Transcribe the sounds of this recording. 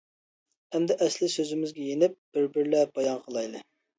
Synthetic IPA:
hɛmd̪ɛʔɛslɪsøzɪmɪzɡʲɛjenɪp̚b̥ɪɾbɪɾlɛb̥ɑjɑnqʰəlˠɑjlˠɨ

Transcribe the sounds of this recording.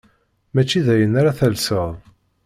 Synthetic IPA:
mæt͡ʃːiðæjənaɾaθælsəðˤ

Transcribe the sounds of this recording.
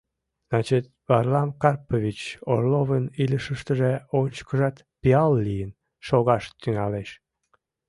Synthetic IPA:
znɑt͡ɕət̪̚βɑrlɑmkɑrpoβʲit͡ɕorloβənilʲəʃəʃt̪əʒeot͡ɕkəʒɑt̪ | piɑlːijən | ʃoɣɑʃt̪yŋɑleʃ

